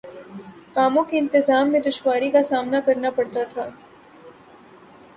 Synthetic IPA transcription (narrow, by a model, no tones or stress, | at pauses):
kaːmõkeɪ̃nt̪ɪzaːmːẽd̪ʊʃwaːɾikasaːmnakɐɾnapɐɽt̪at̪ʰaː